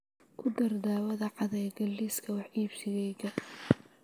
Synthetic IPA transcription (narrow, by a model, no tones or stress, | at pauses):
kʰʊd̪ɐrd̪aːwɐðɐʕɑðɛjɡɐliskʰɐwɑħiːbsɪɣɛjɣɐ